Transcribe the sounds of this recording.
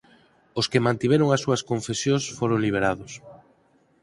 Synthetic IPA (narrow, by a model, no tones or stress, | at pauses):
oskemãnt̪iβ̞eɾoŋasːuɐskoɱfesjõsfoɾoŋliβ̞eɾaðʊs